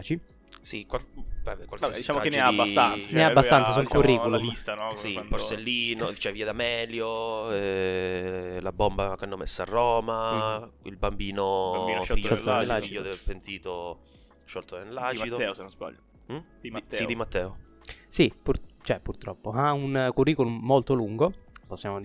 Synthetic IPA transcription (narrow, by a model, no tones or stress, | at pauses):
t͡ʃi | sikwabɛbɛkwald̪it͡ʃaːmkeneaabat̪ansneabast̪ansasuŋkuriːkulumist̪anɔsipoɾselːiːnot͡ʃɛviːad̪amɛːljoɛ | labɔmbakanːomːesːaːrːɔːmaḭlbambiːnoiʃlfiʃɔlaiʎːod̪ɛvepent̪iːt̪o | ʃɔlt̪oenlaːt͡ʃid̪oɛnozba̰ʎː | sid̪imat̪ːɛːo | sipurt͡ʃɛpurt̪ɾɔpːoaunkurːiːkolumːolt̪oluŋɡoposːjaːmo